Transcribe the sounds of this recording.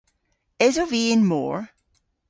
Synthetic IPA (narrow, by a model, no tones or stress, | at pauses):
ɪzəveːnmɔ̰ːɹ